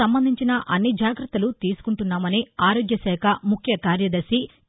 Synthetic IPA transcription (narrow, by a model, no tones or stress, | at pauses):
ɐmbɐnd̪ʱiɲt͡ʃinɐʔɐnːid͡ʒaːɡɾɐt̪ːɐlut̪iːsu̥kuɳʈunːaːmɐniaːɾoːɡjɐsɛːkʰɐmukʰjɐkaːɾjɐd̪ɐɾsi